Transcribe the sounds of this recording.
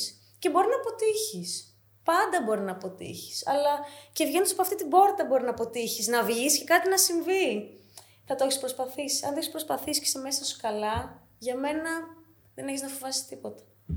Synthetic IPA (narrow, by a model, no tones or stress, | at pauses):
s | ce̞bo̞ɾinɐːpo̞t̪içis | pɐnd̪ɐbo̞ɾinɐːpo̞t̪ḭçi̥sɐ̰lɐcevʝe̞nd̪usɐpoɐft̪it̪ibo̞ɾt̪ɐbo̞ɾinɐpo̞t̪içiznɐvʝisi̥ce̞kɐt̪inɐsiɱvi | θɐt̪oeçispɾo̞spɐθisiɐnt̪oçispɾo̞spɐθisi̥ce̥seme̞sɐoskɐlɐ | ʝɐme̞nɐ | ðeneçiznɐfovɐsi̥t̪ipo̞t̪ɐ̥